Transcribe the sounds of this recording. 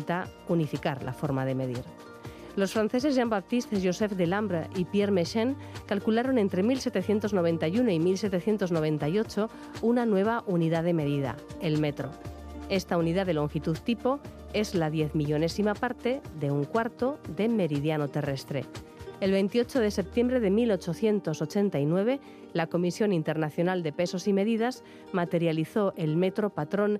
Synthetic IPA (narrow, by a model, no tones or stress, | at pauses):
t̪aunifikaɾlʔa̰fo̞ɾmaðe̞me̞ðiɾ | lo̞sfɾanθe̞s̬e̞zʝambap̚t̪ist̪ezʝose̞fd̪elambɾaʔipjeɾmeʃeŋ | kalkulaɾo̞ne̞nt̪ɾe̞milse̞t̪eθje̞nt̪o̞zno̞β̞e̞nt̪ajunoimilse̞t̪eθje̞nt̪o̞zno̞βe̞nt̪ajo̞t͡ʃo̞ | unanwe̞β̞aʔuniðaðe̞me̞ðiða̰elme̞t̪ɾo̞̰ | e̞st̪auniðaðe̞lo̞ŋxit̪uðt̪ipo̞ | e̞zlaðje̞θmiʎo̞ne̞simapaɾt̪e̞ðe̞uŋkwaɾt̪o̞ðe̞me̞ɾið̞jano̞t̪e̞re̞st̪ɾe̞̰ | elβe̞jnt̪io̞t͡ʃo̞ð̞e̞se̞p̚t̪je̞mbɾe̞ðe̞milo̞t͡ʃo̞θje̞nt̪oso̞t͡ʃe̞nt̪ainwe̞β̞e̞ | lako̞misjo̞nint̪e̞ɾnaθjo̞nald̪e̞pe̞so̞sime̞ðið̞az̥ | mat̪e̞ɾjaliθo̞ʔe̞lme̞t̪ɾo̞pat̪ɾo̞n